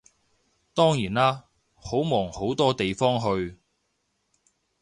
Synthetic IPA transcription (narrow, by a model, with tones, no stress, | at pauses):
t̪ɔː˥ŋjiː˨˩naː˥ | ho˨˥wmɔː˨˩ŋho˨˥wt̪ɔː˥t̪e˨jfɔː˥ŋɦɵ˧ɥ